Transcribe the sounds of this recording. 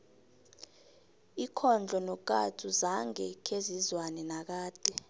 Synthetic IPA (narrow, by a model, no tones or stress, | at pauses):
ikʰɔnd͡ɮʱɔnɔk̬ʼa̰tʰʼuzaŋɛkʰezizwanɛnak̬aːd̥ʱɛ